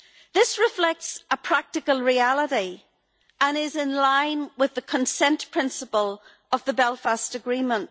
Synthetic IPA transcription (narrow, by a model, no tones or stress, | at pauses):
ðɪsɹɪflɛk̚tsəpʰɹ̥ak̚tɨkəlˠɹialˠəɾi | ə̃nɪzɪ̃nlãɪ̃nwɪðəkʰə̃nsɛ̃nʔpʰɹ̥ɪ̃nsəpəlˠ | əvðəbɛlˠfastəɡɹĩːmə̃nʔ